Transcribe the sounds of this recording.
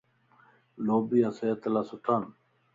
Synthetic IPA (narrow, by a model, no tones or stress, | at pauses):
loːbijaseɐt̪ɐlasuʈʰaːn